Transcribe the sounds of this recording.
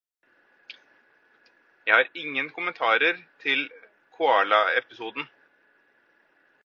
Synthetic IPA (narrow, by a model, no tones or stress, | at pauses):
jæɪhɑːɾɪŋːənkʰʊmənt̪ʰɑːɾəɾt̪ʰɪl | kʰʊɑːɭɑɛpɪsuːd̪n̩